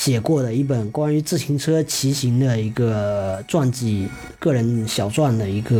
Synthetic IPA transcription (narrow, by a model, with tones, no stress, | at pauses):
ɕjɛ˨˩kwɔ˥˩d̪ə˩i˥˩p̬ə˨˩nkwa˥ny˧˥t͡sɹ̩˥˩ɕʰi˧˥ŋʈ͡ʂʰɤ˥t͡ɕʰi˧˥ɕi˧˥ŋd̪ə˨i˧˥ɡə˧t͡swa˥˧nt͡ɕi˥˩ | kɤ˥˩ɻə˧˥nɕjɑ˨˩ʊt͡swa˥˩nd̪ə˩i˧˥ɡə˧